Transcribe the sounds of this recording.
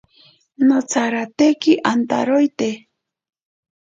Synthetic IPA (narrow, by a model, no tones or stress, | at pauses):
not͡saɾat̪ekɪʔant̪a̰ɾojt̪e